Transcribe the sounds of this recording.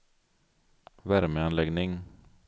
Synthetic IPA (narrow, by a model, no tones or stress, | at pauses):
væɾməanlɛɡnɪŋ